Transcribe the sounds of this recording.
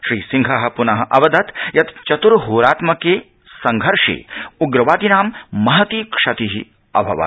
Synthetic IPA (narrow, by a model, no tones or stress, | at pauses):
ʃɾiːsiŋɡʱaɦɐ̆punɐɦɐʔɐʋɐd̪ʱɐt̪jɐt̪t͡ʃɐt̪uɾɦoːɾaːt̪mɐkeː | sɐŋɡʱɐɾʂḛːuɡɾɐʋaːd̪inaːmːɐɦɐt̪iːkʂɐt̪iɦḭ | ɐ̰bʱɐʋa̰